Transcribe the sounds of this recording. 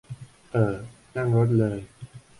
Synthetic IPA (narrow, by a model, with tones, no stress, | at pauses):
ʔəː˨˩ | na˥˩ŋɾo˦˥t̪̚lɤː˧j